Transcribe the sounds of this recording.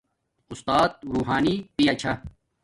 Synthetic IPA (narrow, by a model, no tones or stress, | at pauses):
ʊst̪aːt̪̚ɾuːɦaːnipiɐt͡ɕʰɐ